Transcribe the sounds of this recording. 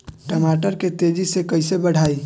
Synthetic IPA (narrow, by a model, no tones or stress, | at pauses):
ʈəmaːʈəɾket̪eːd͡ʒisekəɪsebəɽ̤aːi